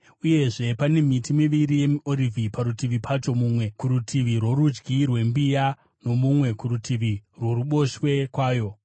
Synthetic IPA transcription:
uje̞ʐe̞pane̞mitimiʋiɾije̞muo̞ɾivʱipaɾutiʋipʰat͡ʃo̞muːmwe̞kuɾutʰiʋirwo̞ɾud͡ʒɡirwe̞mbija | no̞mumwe̞kuɾutʰiʋirwo̞ɾuɓo̞ʃwe̞kwaːjo̞

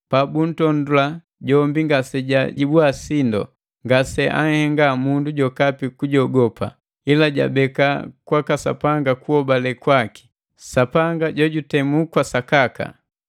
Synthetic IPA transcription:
pabun̩tɔndula | ɟɔmbiŋɡasɛɟaɟibwasindɔ̰ | ŋɡasɛʔa̰ŋ̩hɛŋɡamunduɟɔkapikuɟɔɡɔpa̰ | ilaɟa̰bɛka̰kwakasa̰paŋɡakuɔbalɛkwaki̥ | sapaŋɡaɟɔɟutɛmukwasakaka̰

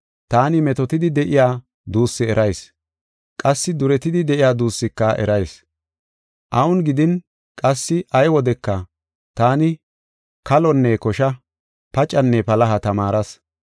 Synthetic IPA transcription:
t̪aːnɪmɛt̪ɔt̪ɪd̪ɪd̪ɛʔɪjaː | d̪uːsːɪɛɾʔɐjs | kʼɐsːɪd̪ʊɾɛt̪ɪd̪ɪd̪ɛʔɪjaːd̪uːsːɪkːɐʔɛ̰ɾɐjs | ʔɐʔʊnɡɪd̪ɪn | kʼɐsːɪʔɐjwɔd̪ɛkːɐ | t̪aːnɪ | kɐlɔnːekɔʃɐ | pɐt͡ʃʼɐnːɛpɐlɐɦɐt̪ɐmaːɾɐs

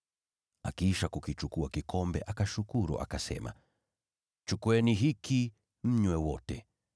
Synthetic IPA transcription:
a̰kiʃakukit͡ʃukuakikʰɔmbɛ̰ʔakaʃukuɾṵʔa̰kasɛ̰ma̰ | t͡ʃukwɛniɦikʰi | m̩ɲwɛwɔtɛ

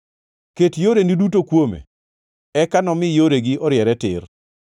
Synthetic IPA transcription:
ketjoɾenidutokwomḛ | ɛkanɔmɪjoɾeɡiʔɔɾjɛɾɛtɪr

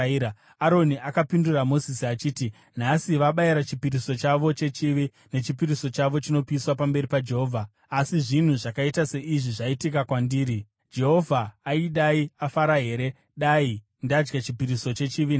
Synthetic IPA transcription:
aɾo̞niʔakapinduramo̞zisiat͡ʃiːti | n̤asiʋaɓaiɾat͡ʃipiɾiso̞t͡ʃaʋo̞t͡ʃe̞t͡ʃiʋi | ne̞t͡ʃipiɾiso̞t͡ʃaʋo̞t͡ʃino̞piiswapambe̞ɾipad͡ʒe̞ɦo̞ːvʱaː | siʐin̤uʐakaitase̞ʔiʐiʐaitikakwandiːɾi | d͡ʒe̞ɦo̞vʱaːiɗaiafaɾaɦe̞ːɾe̞ | ɗai | ndad͡ʒɡat͡ʃipiɾiso̞t͡ʃe̞t͡ʃiʋin

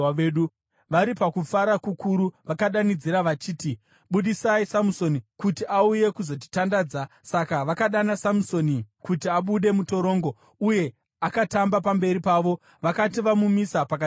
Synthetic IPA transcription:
eɗu | ʋaɾipakufaɾakukʰuɾuʋakaɗanid͡ziɾaʋat͡ʃiːti | ɓuɗisaisamuso̞nikutiʔauje̞kuzo̞ti̥tandaːd͡za | sakaʋakaɗanasamuso̞nikutiaɓuɗe̞muto̞ɾo̞ːŋɡo | uje̞ | akatambapambe̞ɾipaːʋo̞ | ʋakatiʋamumisapaka

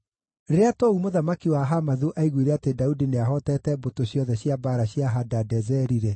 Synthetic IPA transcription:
ɾeɾeatɔumoðamakiwaɦamaðuʔaiɣwiɾɛatedaudineaɦɔtɛtɛbotoɕjɔðɛɕjabaɾaɕjaɦadadɛzɛɾiɾɛ

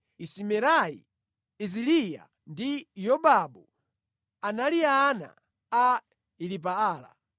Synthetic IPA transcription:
isimɛɾaḭ | izilija̰ | ndijɔbabu | analiaːna̰ | a | ilip̬aaːla̰

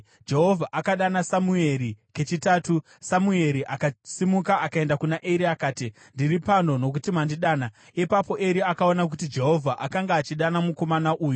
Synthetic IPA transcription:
d͡ʒe̞ɦo̞vʱaʔakaɗanasamue̞ɾike̞t͡ʃitaːtu | samue̞ɾiʔakasimukaakae̞ndakunaʔeɾiakaːti | ndiripano̞no̞k̬utimandiɗaːna | ipapo̞ʔe̞ɾiakaonak̬utid͡ʒe̞ɦo̞vʱaʔakaŋɡaːt͡ʃiɗanamuko̞manaʔuːju

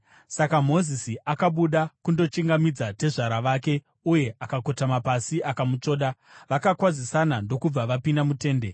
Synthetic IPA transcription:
sakamo̞zisiʔakaɓuɗakundo̞t͡ʃiŋɡamid͡zate̞ʐaɾaʋaːke̞ | uje̞ʔakako̞tamapasiʔakamut͡ʂo̞ːɗaʋakakwazisanando̞kub͡vaʋapindamute̞ːnde̞

